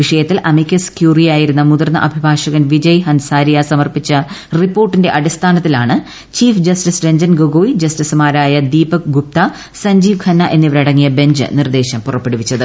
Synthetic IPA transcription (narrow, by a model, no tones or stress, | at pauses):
ʋiʂɐjɐt̪ːilʔɐmikʲːɐskjuːrijaːjiɾunːɐmuðɐrnːɐ̰ʔɐbʱibʱaːʂɐɣɐnʋid͡ʑɐjɦɐnsaːɾijasɐmɐrpit͡ɕːɐripːo̞ːrʈːinde̞ʔɐɽist̪ʰaːnɐt̪ːilaːɳɨ | t͡ɕiːfd͡ʑɐstisdeɲd͡ʑɐnɡoɡoʋid͡ʑɐstisɨmaːɾaːjɐd̪iːbɐkɡup̚t̪ɐ | sɐɲd͡ʑiːʋkʰɐnːɐʔe̞nːiʋɐɾɐɽɐŋːijɐbe̞ɲd͡ʑɨ̰nird̪e̞ːɕɐmpurɐpːe̞ɽuʋit͡ɕːɐðɨ